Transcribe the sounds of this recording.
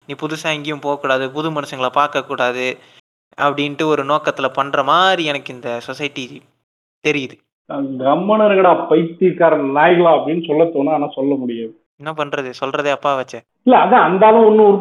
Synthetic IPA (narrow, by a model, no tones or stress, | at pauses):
niːpʊðʊsaːŋɡɪjʊ̃mpoːɣɐkːuːɽaːðɯpʊðɯmɐnɐsɐŋɡɐɭɐpaːɾkɐkːuːɽaːðɯ | ɐpːɐɽɪnʈːɯɔɾɯnoːkɐt̪ːɪlɐpɐɳːɾɐmaːdɾiɛnɐkːɯɪnd̪ɐsɔsɐjɪʈːi | t̪ɛɾɪjɐðɯ | ɡɐmːɐnɐɾɐɣɐɽaːpɐɪt̪ːiɾkːaːɾɐnaːjɣɐɭaːɐpːɐɽɪnːɯsɔlːɐt̪ːoːnːaːnaːsɔlːɐmʊɽɪjaːðɯ | ɪnːɐpɐɳɾɐðɯsɔlrɐðeːɐpːaːʋɐt͡ʃːɐ | ɪlːɐːðãɐnd̪aːlʊ̃ɔnːɯ̃ɔɾɯ